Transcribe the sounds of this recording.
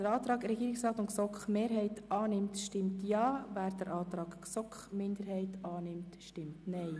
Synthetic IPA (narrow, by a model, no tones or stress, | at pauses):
əɾɑːt̪ɾɑːɡɾɛɡiːɾɪksɾɑːt̪ʊnksɔkχmeːɾɦɛɪtʔɑːnɪmtʃtɪmtjɑːvæːɾd̥əɾʔɑːt̪ɾɑːɡ̥ksɔkχmɪndəɾhɛɪtɑːnɪmtʃtɪmtnɛɪ